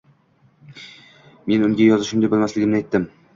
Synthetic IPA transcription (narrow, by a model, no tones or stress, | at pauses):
me̞nʊŋɡʲajɒzɪʃʊmnd̪ajbolmaslɪɡʲɪmnɪajt̪ʰːɪm